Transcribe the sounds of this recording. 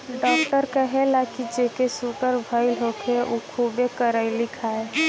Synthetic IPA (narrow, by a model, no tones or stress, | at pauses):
ɖɔkʈəɾkəɦelakid͡ʒekesuɡəɾbʱəɪlɦok̪ʰeʔukʰubekəɾəɪlikʰae